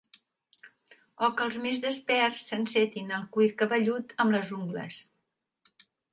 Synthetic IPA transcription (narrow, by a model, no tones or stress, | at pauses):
ɔkəlˠzmezðəspɛrsənsɛt̪inəlˠkwiɾkəβəʎut̪əmləzuŋɡlə̰s